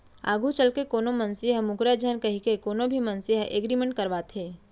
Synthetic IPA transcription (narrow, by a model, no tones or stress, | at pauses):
a̰ːɡʱut͡ʃɐlkekoːnomɐnsiɦəmʊkɾad͡ʒʱənkɐɦikekoːnõbʱimɐnsiɦəʔeːɡɾimẽɳʈ̚kɐɾʋaːt̪ɦeː